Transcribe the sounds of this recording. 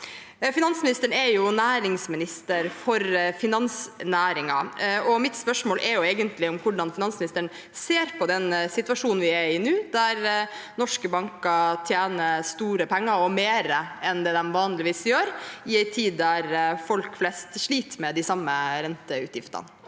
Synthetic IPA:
fɪnɑnsmɪnɪst̪əɳɛjʊnæːɾɪŋsmɪnɪst̪əɾfɔɾfɪnɑnsnæːɾɪŋɑɔmɪt̪spœʂmoːlʔɛɾjʊeːɡənt̪lɪɔmkʰʊɖɑnfɪnɑnsmɪnɪst̪əɳ | seːɾpʰɔd̪ɛnsɪt̪ʋɑʂuːn̩ʋɪɛɪnʉːd̪æɾnɔʂkəbɑŋkɑt̪ʰjæːnəst̪uːɾəpʰɛŋːɑɾɔmeːɾəɛnd̪ɛːd̪ɛmʋɑːnlɪʋiːsjøːɾɪæɪt̪ʰiːd̪ːæɾfɔlkflɛst̪ʂɭiːt̪mɛd̪ɪsɑmːəɾɛnt̪əʉ̰ːt̪jɪft̪ɑ̰n

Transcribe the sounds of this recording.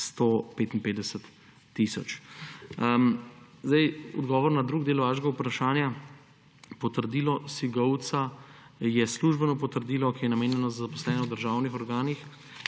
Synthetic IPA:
st̪opeːt̪inpeːd̪ɛsət̪ː | isɔ̰t͡ʃ | zd̪ɛjɔ̰d̪ɡɔːʋɔɾnad̪ɾuːɡd̪eːlʋaːʃɡaupɾaʃaːnja | pɔt̪əɾd̪iːlɔsiɡɔwt̪sa | jɛsluʒbɛnɔpɔt̪əɾd̪iːlɔkijɛnameːnjɛnɔzazapɔslɛːnɔwd̪əɾʒaːwnixɔɾɡaːnix

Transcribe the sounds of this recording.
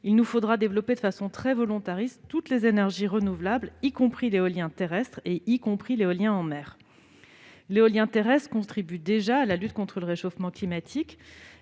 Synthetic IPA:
ilnufod̪ʁad̪evlɔped̪əfasɔ̃t̪χɛvɔlɔ̃t̪aʁist̪ːut̪lezenɛʁʒiʁənuvlablikɔ̃pχileɔljɛ̃t̪eʁɛst̪χeʔikɔ̃pχileɔljɛ̃ɑ̃mɛːʁ | leɔljɛ̃t̪eʁɛst̪χkɔ̃t̪χibyd̪eʒaːlalyt̪̚kɔ̃t̪χələʁeʃofmɑ̃klimat̪ʰik

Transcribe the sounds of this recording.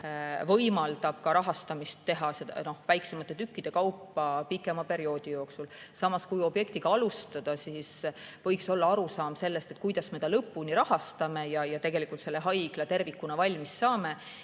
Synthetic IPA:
vɤjmɑld̪̥ɑb̥̚kɑɾɑɦɑst̪ɑmist̪ːe̞ɦɑse̞d̪ɑ̰no̞hvæjksemɑt̪ːˑe̞t̪ykːid̪̥e̞kɑwpːɑpikːˑe̞mɑpe̞ɾio̞ːd̪̥ijo̞ːksul | sɑmɑskujo̞bje̞kt̪iɡ̥ɑɑlust̪ɑd̪̥ɑsisvɤjkso̞lːɑɑɾusɑːmse̞lːe̞st̪e̞t̪̚ːˑkujd̪̥ɑsme̞t̪ɑlɤpːuniɾɑhɑst̪ɑme̞jɑjɑt̪e̞ɡe̞likːˑult̪se̞lːeɦɑjɡ̥lɑt̪e̞rvikːunɑvɑlʲmisːɑːme̞

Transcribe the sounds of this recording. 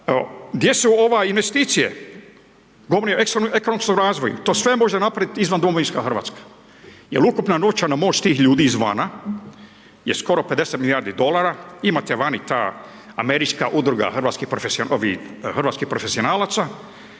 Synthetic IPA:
d̪jesuo̞ʋainʋest̪iːt̪sijḛ | ɡoʋoɾneeksneko̞nomskomɾaːzʋojṵt̪oːsʋemo̞ʒenapɾaʋit̪izʋand̪omoinskaxr̩ʋa̰t̪skḁ | jelukupnano̞t͡ʃanamo̞ːt͡ʃt̪iːxʎuːd̪izʋa̰na | jesko̞ɾo̞pe̞d̪eset̪milijaːɾd̪id̪o̞lˠaɾaimat̪eʋanit̪aː | ame̞ɾit͡ʃka̰ʔud̪ɾuɡa̰xr̩ʋaːt̪skihpɾofesiooʋḭxr̩ʋaːt̪skihpɾofe̞sio̞naːlat̪sa

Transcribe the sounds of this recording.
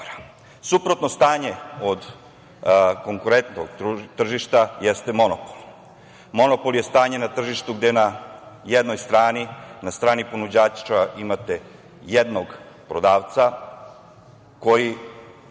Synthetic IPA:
ɾ | supɾo̞t̪no̞st̪aːɲeod̪ | ko̞ŋkuɾent̪o̰ɡt̪r̩ʒiʃt̪ajɛst̪emo̞nopo̥lˠ | mo̞nopo̞lˠje̞st̪aːɲe̞nat̪r̩ʒiʃt̪uɡd̪enajed̪no̞jst̪ɾaːninast̪ɾaːnipo̞nud͡ʑaːt͡ʃt͡ʃaʔimat̪e | jed̪noɡ | pɾod̪aːʋt̪sa | ko̞ji

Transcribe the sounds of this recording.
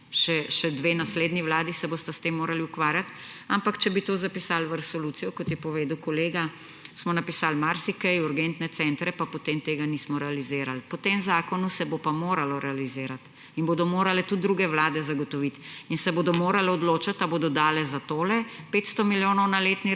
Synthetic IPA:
ʃɛʃɛd̪ʋeːnasleːd̪niʋlaːd̪isɛboːst̪ast̪emːoːɾaliukʋaːɾjat̪ | ampakt͡ʃɛbit̪oːzapisalʋəɾɛsɔlut̪sijɔkɔt̪jɛpɔʋeːd̪wkɔleːɡa | smɔnapisaːlmaɾsikɛjuɾɡɛnt̪nɛt̪sɛnt̪ɾɛpapɔt̪eːmt̪eːɡaniːsmɔɾɛalizeːɾalpɔt̪emzaːkɔnusɛbopamoːɾalɔɾɛalizeːɾat̪ | inbod̪ɔmoːɾalɛt̪ud̪ɾuːɡɛʋlaːd̪ɛzaɡɔt̪ɔʋit̪insɛboːd̪ɔmoːɾalɛɔd̪loːt͡ʃat̪aboːd̪ɔd̪aːlɛzat̪oːlɛpeːt̪st̪ɔmiljoːnɔwnaleːt̪ni

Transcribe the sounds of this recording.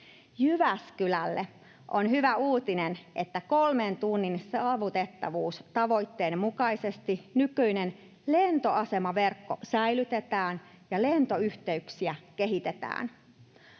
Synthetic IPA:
jyʋæskylælːḛ | ʔonɦyʋæuːt̪inenʔet̪ːæko̞lment̪unːinsɑːʋut̪e̞t̪ːɑ̰ʋuːst̪ɑʋo̞it̪ːe̞ːnmukɑisest̪inykyinen | lent̪oʔɑse̞mɑʋe̞rkːo̰sæjlyt̪et̪æːn | jɑle̞nt̪o̞yht̪e̞yksiæke̞ɦit̪et̪æ̰ːn

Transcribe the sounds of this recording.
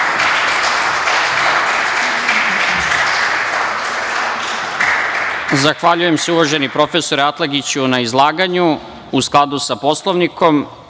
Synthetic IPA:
zaxʋaʎuje̞mseuʋoʒe̞nipɾo̞fe̞so̞ɾeat̪lˠaɡit͡ɕunaizlˠaːɡaɲu | usklˠad̪usapo̞slˠo̞ʋnikʰo̞m

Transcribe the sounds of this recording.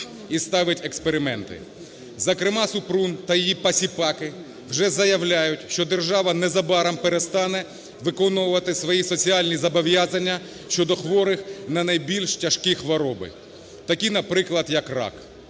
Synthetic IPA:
ist̪ɑʋɪtʲekspeɾɪmɛnt̪ɪ̰ | zɐkɾɪmɑsʊpɾunt̪ɐjijipɐsʲipɑkɪ | wʒɛzɐjɐwlʲajʊtʲʃt͡ʃɔd̪erʒɑʋɐnɛzɐbɑɾɐmpeɾest̪ɑnɛ | ʋɪkɔnɔʊʋɐt̪ɪsʋɔjisɔt͡sʲiɑlʲnʲizɐbɔʋjɑzɐnʲːɐ | ʃt͡ʃɔd̪ɔxʋɔɾɪxnɐnɐjbʲilʲʃtʲɐʃkixʋɔɾɔbɪ̰ | t̪ɐkʲinɐpɾɪklˠɐd̪jɐkrɑ̰k

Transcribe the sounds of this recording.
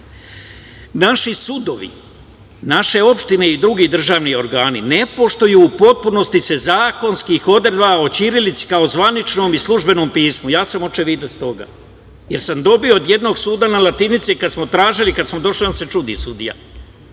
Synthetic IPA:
naʃisud̪o̞ʋḭ | naʃe̞o̞pʃt̪ine̞id̪ɾuɡid̪r̩ʒaːʋnio̞ɾɡaːnine̞po̞ʃt̪o̞juːpo̞t̪̚puno̞st̪ise̞zaːko̞nskixo̞d̪ɾed̪bao̞t͡ɕiɾilit̪si̥kao̞zʋanit͡ʃno̞mislˠuʒbe̞no̞ːmpiːsmujaːsamo̞t͡ʃeʋid̪est̪o̞ɡa̰ | je̞ɾsamd̪o̞bioːd̪je̞d̪no̞ɡsuːd̪analat̪init̪sikad̪smot̪ɾaːʒilikad̪smod̪o̞ʃliase̞t͡ʃud̪ḭsud̪ḭja̰

